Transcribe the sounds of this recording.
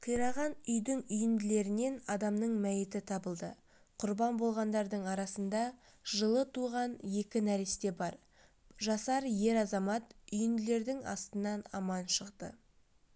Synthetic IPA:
q̪ʰijɾɑʁɑnʏjd̪ɪŋʏjɪmd̪ɪle̞ɾɪne̞nɑd̪ɑmnəɴmæjɪt̪ɪt̪ʰɑbəlˠd̪ə | qʰʊɾbɑnbo̞lˠʁɑnd̪ɑɾd̪əɴɑɾɑsənd̪ɑ | ʒəlˠət̪ʰuʁɑnje̞kʲɪnæɾest̪e̞bɑɾ | ʒɑsɑɾje̞ɾɑzɑmɑt̪ʏjɪmd̪ɪle̞ɾd̪ɪŋɑ̰st̪ənɑnɑmɑnʃəqt̪ə̰

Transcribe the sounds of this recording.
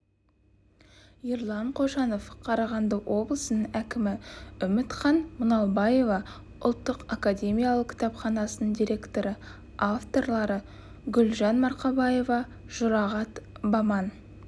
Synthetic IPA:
iɾlˠɑɴqʰo̞ʒɑno̞fqʰɑɾɑʁɑnd̪əwʔo̞blˠəsənəŋækʲɪmɪʏmɪt̪χɑnmʊnɑlˠbɑje̞vɑ | ʊ̰lˠt̪ːəqakadʲe̞mʲijalˠəq̚kʲʰɪ̥t̪ɑpχɑnɑsənəɴd̪iɾʲe̞kt̪o̞ɾə | aft̪o̞rlˠɑɾə | ɡʲʏlʒɑnmɑɾqɑbɑje̞vɑ | ʒ̥ʊɾɑʁɑt̪bɑmɑn

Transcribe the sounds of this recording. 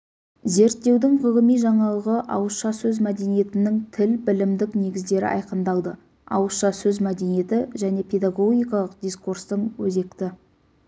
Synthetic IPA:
ze̞ɾt̪ːe̞wd̪ɪŋʁəʁəmijʒɑɴɑlˠəʁəʔɑ̰wəsʃɑsɵzmæd̪e̞nije̞t̪ɪnɪŋt̪ʰɪlbɪlɪmd̪ɪkne̞ɡʲɪzd̪e̞ɾɪ̰ʔɑ̰jqənd̪ɑlˠd̪ə | ɑ̰wəsʃɑsɵzmæd̪e̞nije̞t̪ɪʒæne̞pʲʰe̞d̪aɡo̞ɡʲijkɑlˠəq̚d̪ijskurst̪əɴwɵze̞kt̪ɪ

